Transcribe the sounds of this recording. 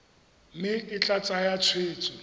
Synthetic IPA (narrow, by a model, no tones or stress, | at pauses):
mɪkʼɪt͡ɬʼat͡sʼajat͡sʰweːt͡sʼɔ